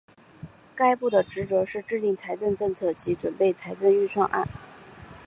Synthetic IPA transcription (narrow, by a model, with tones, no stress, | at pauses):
ka˥ɪpu˥˩d̪ə˩ʈ͡ʂɻ̩˧˥t͡sɤ˧˥ʂɻ̩˥˧ʈ͡ʂɻ̩˥˧t̪i˥˩ŋt͡sʰa˧˥ɪt͡sə˥˧ŋʈ͡ʂɤ˥˧ŋt͡sʰɤ˥˩t͡ɕi˧˥ʈ͡ʂwə˨˩npe˥˩ɪt͡sʰa˧˥ɪt͡sə˥˧ŋy˥˧ʂʰwɑ˥˧ŋʔa̰˥˩n